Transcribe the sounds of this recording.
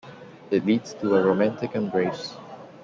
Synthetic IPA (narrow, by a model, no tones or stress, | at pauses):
ɪtˡlidz̥tʰəəɹoʊmæ̃ntɨkɨ̃nbɹeɪs